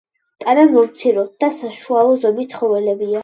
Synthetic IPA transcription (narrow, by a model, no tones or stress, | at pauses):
t̪ʼananmɔmt̪sʰiɾɔt̪̚d̪asaʃualˠɔzɔmit̪sʰχɔvɛlɛbia